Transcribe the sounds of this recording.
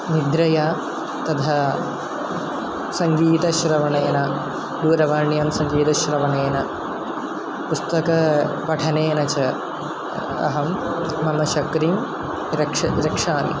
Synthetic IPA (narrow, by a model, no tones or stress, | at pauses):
nid̪ɾɐja | t̪ɐd̪ʱɐ | sɐŋɡiːt̪ɐʃɾɐʋɐɳeːnɐ | d̪uːɾɐʋaːɳjɐmsɐŋɡiːt̪ɐʃɾɐʋɐɳeːnɐ | pust̪ɐkɐʋɐʈʰɐneːnɐt͡ʃɐ | ɐ̰ɦɐmː | ɐmɐʃɐkɾim | ɾɐɐɾɐkʂaːmḭ